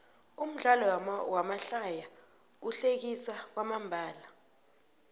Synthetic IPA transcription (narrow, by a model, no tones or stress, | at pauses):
um̩ɮalɔwamaɬaja | uɬek̬isak̬wamambʱaːla